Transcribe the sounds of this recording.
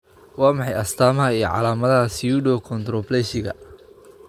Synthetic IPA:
wɑːmɑħɑjɐst̪ʰaːmɐɦɐijɔ̰ʕɑ̰laːmɐðɐɦɐsjuːɖɔkʰɔnt̪rɔblɛːʃɪɣɐ̰

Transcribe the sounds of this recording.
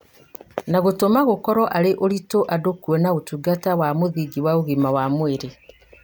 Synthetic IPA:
naɣotomaɣokɔɾɔʔaɾeʔoɾitoʔadokwenaotuɡatawamoðiɡiwaoɣimawamweɾe

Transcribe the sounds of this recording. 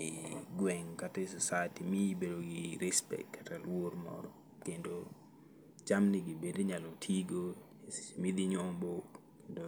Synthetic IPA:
ɪɡwɛŋkatasɔsajtimiibedoɡɪɾispɛ̰kkatalwormɔ̰ɾɔ | kendo | t͡ʃamniɡibedeɲalotʰiɡo | smid̪iɲɔmbok | kendo

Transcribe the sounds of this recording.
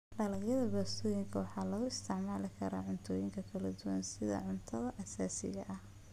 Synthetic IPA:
ɖɐlɐjɐðɐɡɔːst̪ʰɔːjɪŋkʰɐwɑħɑːlɔːɣʊɪst̪ʰɪʕmaːlɪkʰɐɾa̰ːʕʊnt̪ʰɔːjɪŋkʰɐkʰɐlɐd̪uwɐ̰nsɪðɐ̰ʕʊnt̪ʰɐðɐʔɐsaːsɪ̰ɣɐ̰ʔɐh

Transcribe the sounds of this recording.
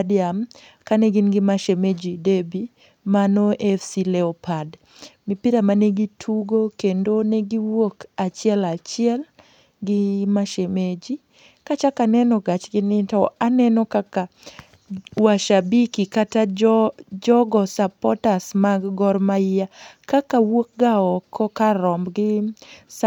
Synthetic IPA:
diam | kaneɡinɡɪmaʃemed͡ʒidebi | manoʔɛfsilɛɔpʰad | mɪpiɾamaneɡitʰuɡokendonɛɡiwokat͡ʃɪɛlat͡ʃɪɛl | ɡɪmaʃemed͡ʒi | kat͡ʃakanɛnɔɡat͡ʃɡɪnɪtɔanɛnɔkaka | waʃabikikata | d͡ʒɔɡɔsapɔtasmaɡɡɔɾmaɪjakakawok̚ɡaɔkʰɔkaɾɔmbɡɪs

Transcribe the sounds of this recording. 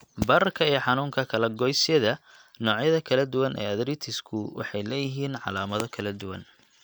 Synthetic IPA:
bɐɾɐrkʰɐiːjħɑnuːŋkʰɐkʰɐlɛɡɔjsɪjɐðɐ | nɔːʕjɐðɐkʰɐlɐd̪ʊwɐnʔɛ̰ːɐðɾɪt̪ʰɪskʰʊwɑ̰ħɑjlɛːjɪɦiːnʕɑ̰laːmɐðɔkʰɐlɐd̪ʊwɐ̰n

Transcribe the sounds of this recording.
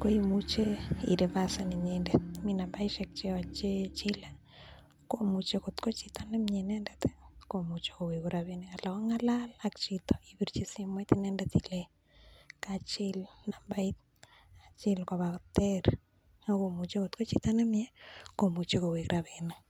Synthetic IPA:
kojimut͡ʃeḭɾeβasaniɲendɛt̪̚minambaiʃɛk̚t͡ʃeat͡ʃet͡ʃila | komut͡ʃekot̪kot͡ʃit̪anɛmɲenɛndɛt̪e̥komut͡ʃe̥kowekuɾaβenekalakɔŋalalakt͡ʃit̪ɔ̥iβiɾt͡ʃisimwɛt̪inɛndɛt̪ile | kat͡ʃɪlnambait̪̚ | at͡ʃilkɔβakt̪eɾ | akomut͡ʃekot̪kot͡ʃit̪anɛmjɛkomut͡ʃekowekɾʔaβene

